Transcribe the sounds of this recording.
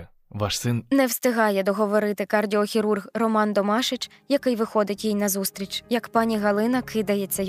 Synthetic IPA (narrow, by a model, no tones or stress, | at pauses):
ʋɑʃsɪnnɛwst̪ɪɦɑjɛd̪ɔɦɔʋɔɾɪt̪ɪkɐrdʲiɔxʲiɾurɣrɔmɑnt̪ɔmɑʃɪt͡ʃ | jɐkɪjʋɪxɔd̪ɪtʲjijnɐzust̪ɾʲit͡ʃjɐkpɑnʲiɦɐlˠɪnɐkʰɪd̪ɐjet͡sʲːɐ